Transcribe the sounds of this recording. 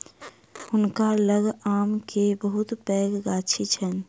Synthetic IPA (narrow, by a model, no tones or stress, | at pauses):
ʊnkaləɡaːmkebəɦʊt̪pɛːɡɡaːt͡ʃʰit͡ʃʰən